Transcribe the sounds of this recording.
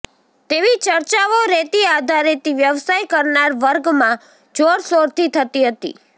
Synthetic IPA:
t̪eʋit͡ʃəɾt͡ʃaʋoɾet̪iad̪ʱaɾet̪iʋjəʋsajkəɾnaɾʋəɾɡmã | d͡ʒoɽsoɾt̪ʰit̪ʰət̪iɦət̪ḭ

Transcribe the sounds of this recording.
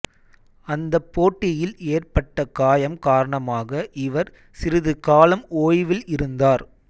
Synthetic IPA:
ɐnd̪ɐpːoːʈːɪjɪleːrpɐʈːɐkaːjɐmkaːɾɐɳɐmaːɣɐʔɪʋɐɾ | sɪɾɯðɯkaːlɐmoːjʋɪlɪɾɯnd̪aːɾ

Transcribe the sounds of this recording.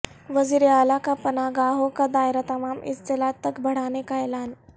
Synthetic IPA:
ʋəziɾiaːlakapənaɡaɦokad̪ajɾat̪əmamʔḭst̪elat̪ːəkbʱəɽ̤anekaelan

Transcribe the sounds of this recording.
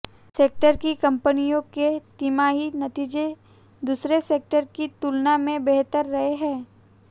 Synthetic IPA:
seːk̚ʈəɾkikɐ̃mpənijõket̪imaːɦinɐt̪iːd͡ʒe | d̪uːsɾeseːk̚ʈəɾkit̪uːlnamẽbeɦt̪əɾːɐɦeɦɛ̃ː

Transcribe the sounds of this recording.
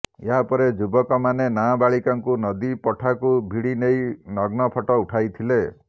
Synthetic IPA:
jeɦapɔɾed͡ʒubɔkɔmanenabaɭikaŋkunɔd̪ipɔʈʰakubʱiɽinejnɔɡnɔpʰɔʈɔuʈʰajt̪ʰile

